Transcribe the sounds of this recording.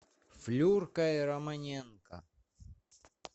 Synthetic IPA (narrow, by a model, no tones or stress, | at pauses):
flʲurkɐiɾɐmɐnʲenkɐ̰